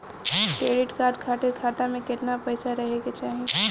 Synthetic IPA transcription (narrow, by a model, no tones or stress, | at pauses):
kɾeːɽɪʈkaːɾɖkʰaːʈekʰaːʈamẽkɪt̪napɐɪsʰaɾɐɦeket͡ʃaːɦẽ